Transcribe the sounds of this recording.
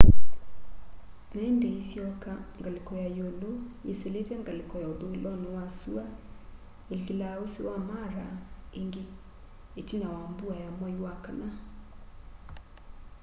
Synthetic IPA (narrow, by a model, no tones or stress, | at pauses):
nɛɛndeisjɔkaŋɡalekɔjajoloeseletɛŋɡalɪkɔjaoðoilɔnewasua | elkilaosewamaɾaeŋɡeː | tinawambuajamwajwakana